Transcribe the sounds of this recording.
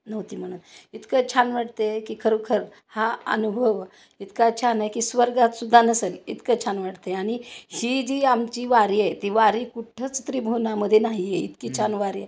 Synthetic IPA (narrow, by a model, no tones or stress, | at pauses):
nəʋt̪iːm̤əɽ̃uːnit̪kət͡ɕʰanʋaʈ̚t̪ekiːkʰəɾəkʰəɾ | haə̰nubʱəʋ | it̪kat͡ɕʰanajkiːsʋəɾɡat̪sud̪ʱːanəsəlit̪kət͡ɕʰanʋaʈt̪eaɽ̃ihid͡ʑiːamt͡ɕiːʋaɾjajt̪iːʋaɾikuʈʰət͡st̪ɾiːbʱonaməd̪ʱːjenaɦijeḭt̪kiːt͡ɕʰanʋaɾjə